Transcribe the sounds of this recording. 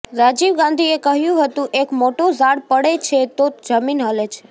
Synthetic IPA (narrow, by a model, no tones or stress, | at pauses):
ɾad͡ʒiʋɡãnd̪ʱiekəɦjũɦət̪ũʔekmoʈozaɽpəɽet͡ʃʰet̪od͡ʒəminɦəlet͡ʃʰe̥